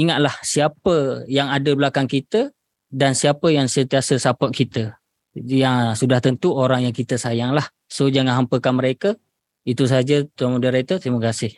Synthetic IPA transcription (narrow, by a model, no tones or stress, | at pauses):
iŋat̪̚lahsiapəjaŋadəblakaŋkit̪ə | dansiapəjaŋsənt̪iasəsapɔʔ̪̚kʰit̪ə | jaŋsudaht̪ənt̪uoɾaŋjaŋkit̪əsajaŋlah | sod͡ʒaŋanɦampəkanməɾekə | it̪us̬aɦad͡ʒət̪amudaɾat̪ət̪ɾiməkasɪh